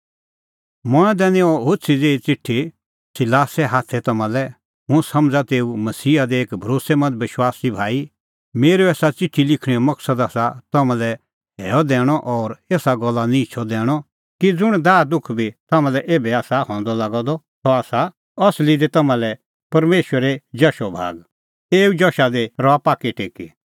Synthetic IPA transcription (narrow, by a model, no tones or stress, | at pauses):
mɔ̃ɛ̃d̪ɛːñẽɔɦosʰid͡zeːit͡sɪʈʰːi | sɪlaːsɛɦaːt̪ʰɛt̪ɐmãlɛ | ɦʊ̃sɐmd͡zat̪eːumɐsiːad̪ɛeːkbʱɐɾoːsɛmɐ̃nd͡zʋɪʃwaːsibʱaːi | meːɾeɛːsat͡sɪʈʰːilɪkʰɽ̃iɔmɐksəd̪asat̪ɐmãlɛ | ɦɛːɔd̪ɛːɽ̃ɔʔɔːɾeːsaɡɔlːanĩɪt͡ʃʰɔd̪ɛːɽ̃ɔ | kid͡zʊɽ̃d̪aːd̪ʊkʰbʱit̪ɐmãlɛʔeːbɛaːsahɔ̃ːnd̪ɔlaːɡɔd̪ɔ | t̪ɔaːsa | ɐslid̪et̪ɐmãlɛ | pɐɾmeːʃwəɾed͡ʒɐʃɔbʱa̰ːɡ | eːud͡ʒɔʃad̪eɾɔapaːkeʈeːki